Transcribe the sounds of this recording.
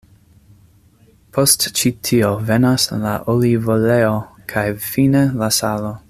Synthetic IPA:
pʰostt͡ʃitʰiovenasla̰ʔolivoleokʰajfinelasalo

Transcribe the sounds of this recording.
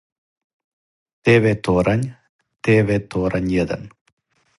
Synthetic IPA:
t̪eːʋet̪oːɾʔɐɲ | t̪eːʋet̪oːɾʔɐɲjɐd̪ɐ̰n

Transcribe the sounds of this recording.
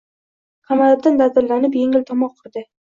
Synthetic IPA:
qʰɑmalab̚d̪and̪ad̪ɪɾlanɪpjeŋɪlt̪ʰɒmɒq̚qʰʊɾd̪ɪ

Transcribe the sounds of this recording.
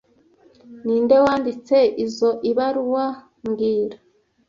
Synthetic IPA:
niːndewaːndit͡se̞izo̞ʔiβaɾuwa | mɡiːɾa

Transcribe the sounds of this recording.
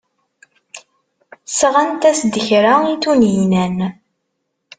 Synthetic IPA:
sʁænt̪æsd̪əçɾait̪unnæn

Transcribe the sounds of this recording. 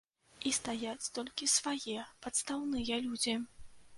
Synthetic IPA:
ist̪ajat͡sʲt̪ɔlʲkʲisvajɛpɐt̪st̪awnɨjɐlʲud͡zʲi

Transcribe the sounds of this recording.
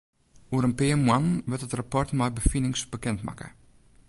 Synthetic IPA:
uəɾənpeəmwanʋɪtətrapɔrtmɛjbəfinɪŋsbəkɛntma̰kə̰

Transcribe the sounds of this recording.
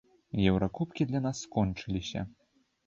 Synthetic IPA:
jɛwɾakupkʲid̪lʲan̪asːkɔnt͡ʂɨlʲisʲɐ̰

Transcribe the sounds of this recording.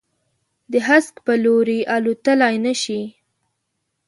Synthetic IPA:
d̪əɦaskpəloɾiʔalut̪əlajnəʃi

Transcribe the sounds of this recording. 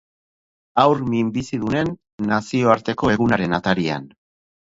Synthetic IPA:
awɾmimbisiðune̞nː | asio̞aɾt̪e̞ko̞e̞ɣ̞unaɾe̞nat̪aɾia̰n

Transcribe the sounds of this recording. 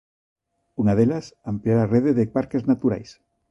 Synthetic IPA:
uŋaðelasampliaɾareðeðepaɾkeznat̪uɾa̰js

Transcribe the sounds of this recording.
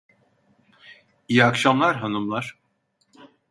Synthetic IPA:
ijakʃamlˠaɾɦanumlˠaɾ̥

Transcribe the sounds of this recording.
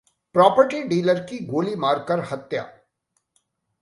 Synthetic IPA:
pɾɔːpəɾʈiɖiːləɾkiɡoːlimaːɾkɐɾhɐt̪ja̰ː

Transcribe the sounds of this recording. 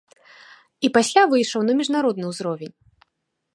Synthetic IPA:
ipasʲlʲavɨjʂɐwnɐmʲiʐnaɾɔd̪̚nɨwuzɾɔvʲenʲ

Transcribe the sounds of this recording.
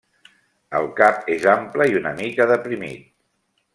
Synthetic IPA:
əlˠkapezampləiunəmikəðəpɾimḭt̪̚

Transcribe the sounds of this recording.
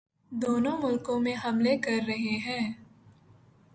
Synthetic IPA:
d̪oːnõmʊlkõmẽɦɐmlekɐɾːɐɦeɦɛ̃ː

